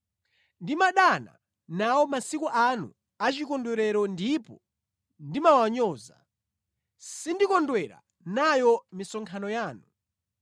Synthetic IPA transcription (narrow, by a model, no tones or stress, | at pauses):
ndimaɗana̰ | nawɔmasikuʔanṵ | at͡ʃikɔndwɛɾɛɾɔndipɔ | ndimawaɲɔːza̰ | sindikɔndwɛɾa̰ | najɔmisɔŋkʰanɔjaːnu